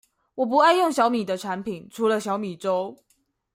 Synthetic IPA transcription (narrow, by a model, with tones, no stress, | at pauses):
wɔ˨˩p̬u˧˥a˥˧ɪjʊ˥˩ŋɕjɑ˧˥ʊmi˨˩d̪ə˦ʈ͡ʂʰa˧˥npʰi˨˩nʈ͡ʂʰu˧˥lə˧ɕjɑ˧˥ʊmi˨˩ʈ͡ʂo˥ʊ